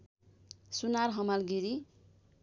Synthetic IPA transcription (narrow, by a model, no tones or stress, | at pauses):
sunarɦʌmalɡiɾi